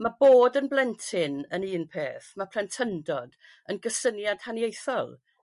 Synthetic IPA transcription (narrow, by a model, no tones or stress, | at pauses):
maboːdənblˠɛntʰɪnəniːnpʰeːθmapʰl̥ɛntʰəndɔd | ənɡəsənjad̥hanjejθɔlˠ